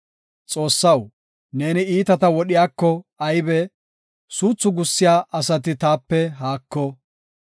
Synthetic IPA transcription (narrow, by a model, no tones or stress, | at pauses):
t͡sʼo̞ːsːɐw | ne̞ːnɪiːt̪ɐt̪ɐwɔɗɪjaːkːɔɐjbɛ | suːt͡sːʊɡʊsːɪjaːʔɐsɐt̪ɪt̪aːpːɛɦaːkːɔ